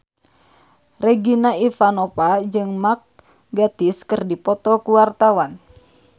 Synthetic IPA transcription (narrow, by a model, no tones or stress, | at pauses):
rɛɡinaifanɔpad͡ʒɨŋmak̚ | ɡat̪iskərdipɔt̪ɔkuwart̪awan